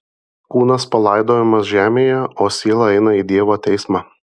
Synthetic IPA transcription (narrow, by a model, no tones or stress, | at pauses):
kuːnɐspɐlˠɑˑɪd̪oːmɐsʒʲæːmʲeːjɛoːsʲiɛːlˠɐɛɪnɐiːd̪ʲiɛʋoːt̪ʲɛɪsmɑ